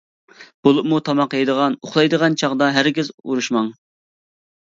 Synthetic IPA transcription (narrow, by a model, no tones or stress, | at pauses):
b̥olˠup̚mut̪ʰɑmɑqejd̪əʁɑnoχlˠɑjd̪əʁɑnt͡ʃʰɑʁd̪ɑɦæɾɡʲɪzṵɾuʃmɑŋ